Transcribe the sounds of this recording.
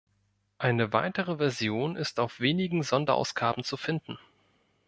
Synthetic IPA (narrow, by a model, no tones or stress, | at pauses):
ʔaɪnəva̰ɪtəʁ̞əvɛɐzjoːnɪstaʊfv̥eːnɪɡŋ̩zɔndɐʔa̰ʊsɡ̥aːbn̩t͡sufɪndn̩